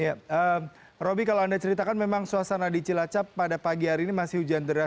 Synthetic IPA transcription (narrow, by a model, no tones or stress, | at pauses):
jaə | robikaloandat͡ʃəɾit̪akanmemaŋsuasanadit͡ʃilat͡ʃapːadapaɡiɦaɾiːnimasɪhud͡ʒand̪əɾa